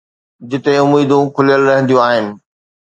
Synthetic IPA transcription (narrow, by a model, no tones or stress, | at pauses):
d͡ʑɪt̪eʊmiːd̪ũkʰʊlijəlɾɐɦə̃nd̪ijũaːɦɪnɪ̆